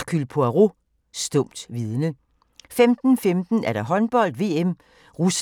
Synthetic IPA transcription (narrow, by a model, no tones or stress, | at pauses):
kʰylpʰoæʁo | sd̥ɔ̽m̰d̥ʋiðˠənə | femd̥n̩femd̥n̩æɐɾ̥ɑ̈ɦɒ̽nb̥ɒ̽l̰d̥ʋe̝̰ːem | ʁus